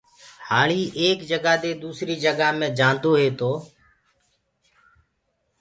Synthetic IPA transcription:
haːɭiːʔeːkd͡ʒəɡaːd̪eːd̪uːsɾiːd͡ʒəɡaːmẽːd͡ʒaːnd̪oːɦeːt̪oː

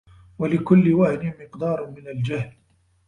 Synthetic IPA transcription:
walɪkʊlːɪwaʕnɪmɪqd̪ɑːɾˤmɪnald͡ʒahl

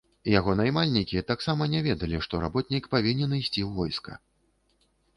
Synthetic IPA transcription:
jaɣɔnajmalʲnʲikʲit̪aksamɐnʲɛvʲɛd̪ɐlʲiʂt̪ɔɾa̰bɔt̪̚ʲnʲikpavʲinʲɛnɨjsʲt͡sʲiwvɔjskɐ̰

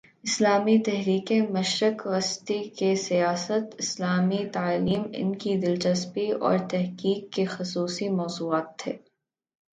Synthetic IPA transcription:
ɪslaːmit̪ɛɦɾiːkẽmɐʃɾɪkʋɐst̪ikesijaːsət̪ɪslaːmit̪aːliːmɪ̰nkid̪ɪlt͡ʃɐspiɔ̰ːɾt̪ɛɦkiːkːexʊsuːsimɔːzuːaːt̪ʰːḛː

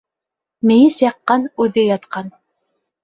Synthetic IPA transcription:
mɘ̆jɘsjɑqːɑnʉðɘjɑt̪qɑn

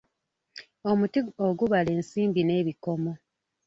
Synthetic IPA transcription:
o̞mutioɡuβale̞ːnsiːmbine̞ːβiko̞mo̞

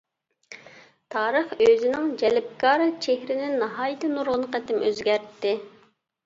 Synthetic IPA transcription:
t̪ʰɑːɾəχøzɪnɪŋd͡ʒɛlɪp̚kʰɑːɾɨt͡ʃʰehɾɪnɪnːɑɦɑːjɨt̪ʰɨnuɾʁʊnəqɛt̪ɪmʔøzɡʲæɾt̪ːɪ

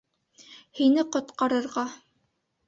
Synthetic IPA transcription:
hinɘqŏt̪qɑɾɤ̆ɾʁɑ

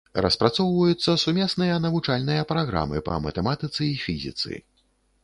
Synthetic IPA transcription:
rɐspɾat̪sɔwvɐjut̪sːɐsumʲɛsnɨjɐnɐvut͡ʂalʲnɨjɐpɾaɣɾa̰mɨ̰pɐ̰mɐt̪ɛmat̪ɨt̪sɨifʲizʲḭt̪sɨ̰

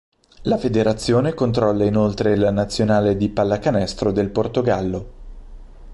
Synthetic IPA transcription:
lafed̪eɾat̪sːjoːnekont̪ɾɔlːainolt̪ɾelanat̪sːjonaːled̪ipalːakanɛst̪ɾod̪elport̪oɡalːo

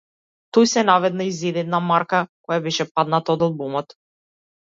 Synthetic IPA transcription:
t̪ɔjsɛnavɛd̪naizɛd̪ɛd̪namaɾkakɔjabɛʃɛpad̪nat̪aɔd̪alˠbumɔt̪

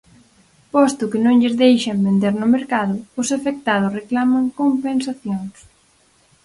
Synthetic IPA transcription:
pɔst̪ʊkɪnõŋʎɪzðejʃɐmbend̪eɾnʊmeɾkaðʊʊsafek̚t̪að̞ʊsreklamɐŋkompensaθjoŋs

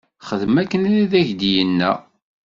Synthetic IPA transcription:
χəðmækːənæðiðæʝd̪jənːæ̰

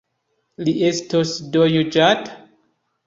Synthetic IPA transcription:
liestosdojud͡ʒat

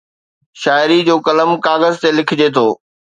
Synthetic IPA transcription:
ʃaːɪɾid͡ʑoːkɐləmkaːɣəzt̪elɪkʰɪd͡ʑet̪ʰoː

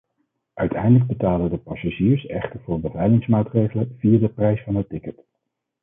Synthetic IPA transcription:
ʔœɥtɛjndələɡ̚bətaːlədəpɑsaʒiːɹsɛ̰χtəɹvʊːɹbəvɛjlɪŋsmaːtrejχələv̥ijaːdəprɛjsfɑnɦətːɪkət

